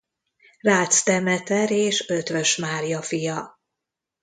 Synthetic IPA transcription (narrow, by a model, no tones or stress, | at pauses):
raːt̪st̪ɛmɛt̪ɛɾeːʃøt̪ʋøʃmaːɾijɒfijɒ